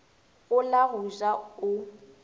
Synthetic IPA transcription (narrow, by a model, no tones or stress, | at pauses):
ʊlaɦʊzʼaʊ